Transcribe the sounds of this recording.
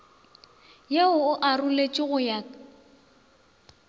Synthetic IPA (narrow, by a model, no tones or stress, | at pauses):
jeʊʊʔarulet͡ʃʼɪɣʊja